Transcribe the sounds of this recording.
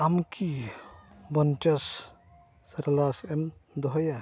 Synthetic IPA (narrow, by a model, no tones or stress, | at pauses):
amkʰi | bɔnt͡ʃɐs | sɐɾlasemd̪ɔɦɔja